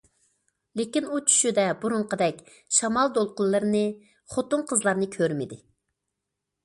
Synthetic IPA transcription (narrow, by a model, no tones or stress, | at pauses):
lekʲinut͡ʃʰy̥ʃyd̪ɛbuɾʊɴqəd̪ɛkʲ | ʃɑmɑlˠd̪olˠqʊlːˠɨɾnɨ | χot̪ʊɴqʰəzlˠɑɾnɨkʲʰøɾmɪd̪ɪ